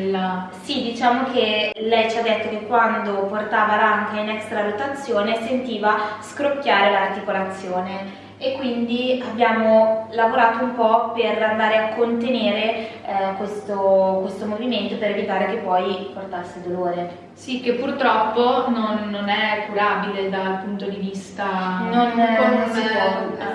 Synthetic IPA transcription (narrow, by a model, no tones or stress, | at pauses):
lːa | sid̪it͡ʃaːmok̟elɛjt͡ʃad̪ːet̪ːokekːwand̪oport̪aːvaɾaŋkainɛkst̪ɾalot̪at̪sːjoːnesent̪iːvaskɾokjaːɾelaːrt̪ikolat̪sːjoːne | ekːwind̪iabːjaːmolavoɾaːt̪oumpɔperand̪aːɾeakːont̪eneːɾekwest̪okwest̪omoviment̪opeɾevit̪aːɾek̟epːɔjport̪asːed̪oloːɾe | sikːepːurt̪ɾɔpːononːonɛkːuɾaːbiled̪alpunt̪od̪ivist̪anonnonsipɔua